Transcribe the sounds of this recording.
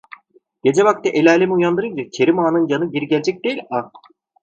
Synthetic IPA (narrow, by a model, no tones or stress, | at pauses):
ɟ̥e̞d͡ʒɛβak̚t̪ɛʔelʲaːlʲemiujand̪ɯɾɯnd͡ʒacʰe̞ɾimaːnɯnjanɯɟiɾiɟɛlʲd͡ʒɛc̚d̪ejilʲa